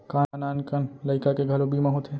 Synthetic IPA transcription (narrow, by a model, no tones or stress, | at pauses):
kanaːnkənləɪkakeɡʱəlobʱimeɦot̪ʰe